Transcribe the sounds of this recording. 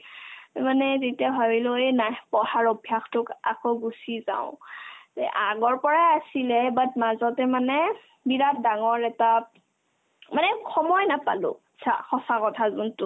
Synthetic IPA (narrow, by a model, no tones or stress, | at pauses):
manɛzetiabʱabilʊejnajpɔhaɹɔbʱjaxtʊka̰koɡusizã̰ʊ̃tɛʔaɡɔɹpɔɹajasilɛbatmazɔtɛmanɛ | biɹat̚daŋɔɹɛta | manɛxɔmɔjnapa̰lʊ̰atsʰa̰xɔsakɔtʰazuntʊ